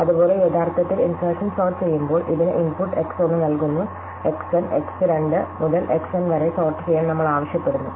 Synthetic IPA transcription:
ɐðubo̞ːle̞et̪ʰaːrt̪ːɐt̪ːilinseːʂɐnsoːrt͡ɕejːumbo̞ːɭʔiðinɨʔimpuʈːe̞ksonːɨnɐlkunːu | e̞ksɐneksɨɾeɳɖɨmuðɐlʔeksɐnʋɐɾesoːrʈːɨt͡ɕejaːɳnɐmːɐɭaːʋɐɕjɐpːeɽunːu

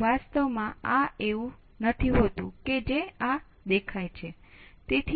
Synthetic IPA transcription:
ʋast̪əʋmãaeʋũ | nət̪ʰiɦot̪ũked͡ʒea | d̪ekʰajt͡ʃʰe | t̪et̪ʰ

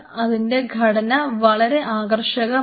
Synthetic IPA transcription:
ɐðinde̞ɡʱɐɽɐnɐʋɐɭɐɾe̞ʔaːɡɐrʂɐɣɐ

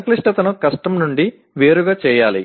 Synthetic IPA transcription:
ɐkliʂʈɐt̪ɐnukɐsʈɐmnuɳɖi | ʋe̞ːɾuɡaːt͡ʃɛːjaːli

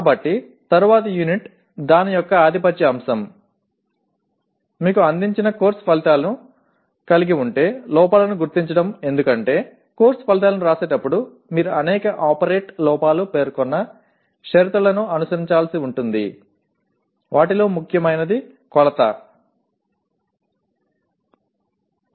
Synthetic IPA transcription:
ɐbɐʈːi | t̪ɐɾuʋaːt̪ɐjuniʈ | d̪aːnijɔkːɐaːd̪ʱipɐt͡ʃːɐɐmsɐm | miːkuɐnd̪iɲt͡ʃinɐko̞ːɾsɐ̥pɐlit̪aːlɐnu | kɐliɡiuɳʈe̞ːlɔːpaːlɐnuɡuɾt̪iɲt͡ʃɐɽɐme̞nd̪ukɐɳʈe̞ː | ko̞ːɾsɐpɐlit̪̬aːlɐnuɾaːse̞ːʈɐpːuɽu | miːɾuɐnɛːkɐʔaːpɐɾe̞ːʈlɔːpaːlupe̞ːɾkɔnːɐ | ʃɐɾit̪ɾulɐnuɐnusɐɾiɲt͡ʃaːlɐsiuɳʈund̪ḭ | ʋaːʈilo̞ːmukʰjɐmɐjnɐd̪i | kɔlɐt̪ɐ̰

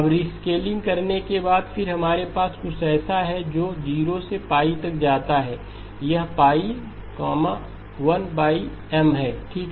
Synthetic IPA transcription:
ɐbɾiskeːlɪ̃ŋɡkɐɾnekebaːd̪fɪɾɦɐmaːɾepaːskʊt͡ʃʰɛːsaɦɛd͡ʒoːd͡ʒiːɾosepaːit̪ɐkd͡ʒaːt̪aɦɛː | jɐɦpaːi | kɔːmã | ʋɐnbaːi | ɛmɦɛːʈʰiːk

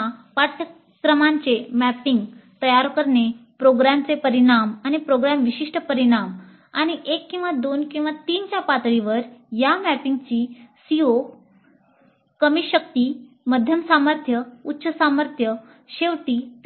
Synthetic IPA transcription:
apat̪ʰə | kɾəmaɲt͡semæpiŋɡt̪əjaɾkəɾnepɾoɡɾamt͡sepəɾiɽ̃amañipɾoɡɾamʋiɕiʂʈəpəɾiɽ̃am | aɽ̃iʔekːĩw̃ʋad̪onkĩw̃ʋat̪iːnt͡ɕjapat̪ɭiʋəɾjamæpiŋɡt͡ɕiːsio | kəmiɕəkt̪iː | məd̪ʱjəmsaməɾt̪ʰjəut̪ːɕəsaməɾt̪ʰjə | ɕeʋt̪iː

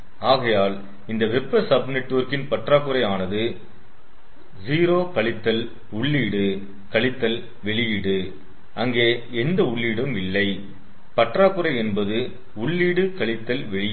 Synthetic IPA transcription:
aːɣɐjaːl | ɪnd̪ɐʋɛpːɐsɐbnɛʈːoːɾkɪnpɐʈraːkːɯɾɐɪaːnɐðɯ | ziːɾoːkɐɭɪt̪ːɐl | ʊɭːiːɽɯ | kɐɭɪt̪ːɐl | ʋɛɭɪjɪɽɯ | ʔɐŋɡeː | ɛnd̪ɐʊɭːiːɽɯmʋɪlːɐɪ | pɐʈraːkɯɾɐɪɛnbɐðɯ | ʊɭːiːɽɯkɐɭɪt̪ːɐlʋɛɭɪj

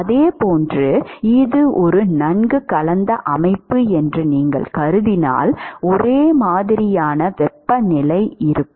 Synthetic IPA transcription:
ɐðeːpoːndrɯɪðɯʔɔɾɯnɐnɡɯkɐlɐnd̪ɐʔɐmɐɪpːɯɛndrɯniːŋɡɐ̰ɭkɐɾɯðɪna̰ːlɔɾeːmaːðɪɾɪjaːnɐʋɛpːɐnɪlɐɪɪɾɯkː

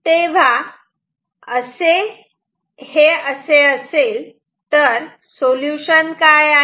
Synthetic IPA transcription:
t̪eʋ̤a | əse | heəseəseːl | t̪əɾ | soljuɕənkaja

